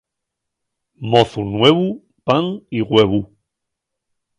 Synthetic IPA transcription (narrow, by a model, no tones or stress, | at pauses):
moθunweβu | paŋiɣweβu